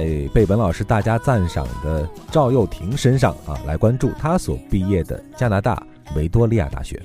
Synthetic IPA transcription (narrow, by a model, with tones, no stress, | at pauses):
ɪpe˥˩ɪpə˧˥nlɑ˨˩ʊʂɻ̩˥˧t̪a˥˩t͡ɕja˥t͡sa˥˩nʂɑ̰˨˩ŋd̪ə˦ʈ͡ʂɑ˥˧ʊjo˥˩ʊt̪ʰi˧˥ŋʂə˥nʂɑ̰˥˧ŋɐ̰˧˩la˧˥ɪkwa˥nʈ͡ʂu˥˩t̪ʰa˥swɔ̰˨˩pi˥˧jɛ˥˩d̪ə̰˩t͡ɕja˥na˧˥t̪a̰˥˩ | we˧˥ɪt̪wɔ˥li˥˧ja̰˥˧˩t̪a̰˥˩ɕɥɛ̰˧˥